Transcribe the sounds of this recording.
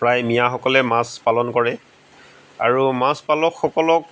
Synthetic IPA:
pɹajmijaxɔkɔlɛmaspalɔnkɔɹɛ | a̰ɹumaspalɔkxɔkɔlɔk̚

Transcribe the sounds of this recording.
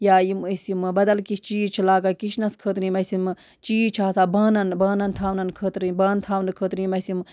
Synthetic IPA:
jaːjiməsimɨbɐd̪ɐlkiʃʰt͡ʃiːt͡ʃʰilaːɡɐkiʃnɐskʰət̪ɾimɐsʲimɨ | t͡ʃiːt͡ʃʰaːsaːbaːnɐnbaːnɐnt̪ʰaːwnɐnkʰət̪ɾibaːnt̪ʰaːwnɨkʰət̪ɾiːmɐsim

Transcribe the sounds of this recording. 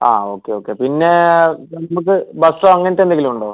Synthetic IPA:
a̰ːoːkːeoːkːe̞pinːe̞nɐɐmuk̬ːɨbɐsʈoːɐŋːɐnɐtːe̞nd̪eŋɡilumuɳɖoː

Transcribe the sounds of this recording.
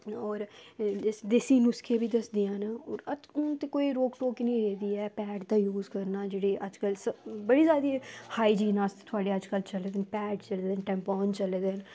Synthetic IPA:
ɔːɾɪsd̪esiːnʊskʰeːbiːd̪əsd̪ɪjãːnːət̪ekoːiːɾoːkʈoːknĩːɾeːd̪iːɛːpɛːʈd̪aːjuːzkəɾnaːd͡ʒeːɽeːʔəd͡ʒkəlsəbəɽiːzjaːd̪iːhaːiːd͡ʒiːnaːst̪ːt̪ʰʊaːɖeːəd͡ʒkəlt͡ʃəled̪eːnpɛːʈt͡ʃəlːd̪eːnʈɛ̃ːmpɔːnt͡ʃəled̪en

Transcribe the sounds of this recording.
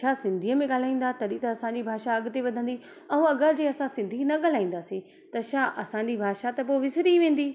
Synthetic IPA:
ʃʰaːsɪ̃nd̪ʱiəmẽɠaːl̤aːĩːn̆d̪at̪ɐɗit̪ɐːsãːɲd͡ʑibʱaːʃaɐɡ̆t̪eʋɐd̪ʱə̃nd̪i | ɐũɐɡəɾd͡ʑeɐsãsɪ̃nd̪ʱinɐɠaːl̤aːĩːnd̪aːsi | t̪ɐʃaːʔɐsãːɲd͡ʑibʱaːʃat̪ɐp̬oʋɪsɾiʋẽːn̆d̪iː

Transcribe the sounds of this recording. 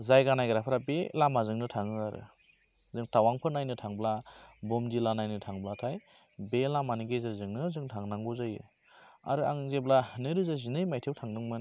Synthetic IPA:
zajɡanajɡaɾapʰɾabelamazɯŋnɯtʰaŋɯaɾɯ̰ | zɯŋtawaŋpʰɯnajnɯtʰaŋblabɔmdilanajnɯtʰaŋblatʰaj | belamaniɡezɯɾzɯŋnɯzɯŋtʰaŋnaŋɡɔzajɯ̰ | a̰ɾɯa̰ŋzeblanɯɾɯzazinɯjmajtʰewtʰaŋdɯŋmɯn

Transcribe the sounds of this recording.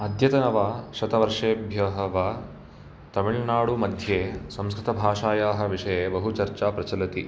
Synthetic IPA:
ɐd̪ʱjɐt̪ɐnɐʋaːʃɐt̪ɐʋɐɾʂeːbʱjɐɦɐʋɐ | t̪ɐmiɭnaːɽumɐd̪ʱjeːsɐmskɾɪt̪ɐbʱaːʂaːjaːɦɐ̆ʋiʂɐjeːbɐɦut͡ʃɐɾt͡ʃaːpɾɐt͡ʃɐlɐt̪i

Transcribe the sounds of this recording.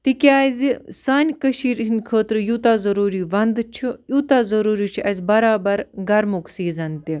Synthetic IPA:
t̪ikʲaːizisaːnʲkəʃiːɾɦinʲkʰəːt̪ɾjuːt̪aːzɐɾuːɾiːʋɐnd̪t͡ʃʰijuːt̪aːzɐɾuːɾit͡ʃʰiʔɐzʲbɐɾaːbɐɾɡɐɾmuksiːzɐnt̪i

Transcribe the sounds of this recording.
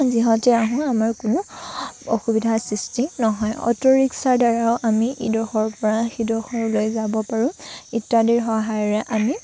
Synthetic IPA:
ziɦɔ̃tɛaɦũamaɹkʊnʊoxubidʱasɹistinɔɦɔjɔ̰tɔɹiksaɹdaɹaʊʔamiʔidɔxɔɹpɔɹaxidɔxɔɹlojzabɔpaɹʊ̃itːadiɹxɔɦajɔɹɛʔami

